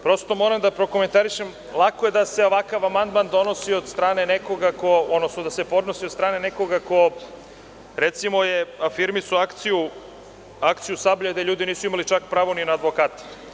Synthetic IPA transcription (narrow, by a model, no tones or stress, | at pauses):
pɾo̞st̪o̞mo̞ːɾamd̪apɾo̞kome̞nt̪aɾiʃem | lˠako̞jed̪ase̞oʋakaʋamand̪mand̪o̞no̞siod̪st̪ɾaːne̞neko̞ɡakood̪nosnod̪ase̞po̞d̪nosiod̪st̪ɾaːneneko̞ɡako̞ | ɾet̪simo̞jefiɾmisuakt̪siju | akt̪sijusablʎed̪eʎuːd̪iniːsuimalit͡ʃakpɾaːʋoninaːd̪ʋokaːt̪e̥